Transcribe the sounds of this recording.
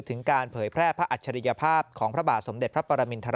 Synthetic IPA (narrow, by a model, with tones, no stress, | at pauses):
t̪ʰɯ˩˦ŋkaː˧npʰɤː˩˦jpʰɾɛː˥˩pʰɾa˦˥ʔa˨˩t̪̚t͡ɕʰa˧ɾi˧ja˧pʰaː˥˩p̚kʰɔː˩˦ŋpʰɾa˦˥baː˨˩t̪̚so˩˦mde˨˩pʰɾa˦˥pɔː˧ɾa˧mi˧nt̪ʰaː˧ɾ